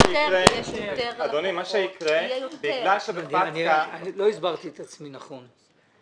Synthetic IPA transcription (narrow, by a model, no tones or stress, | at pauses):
iʁe | ad̪onimaʃeikʁebiɡlalʃebad̪ianianilo̞izbaʁt̪iet̪at͡sminaχon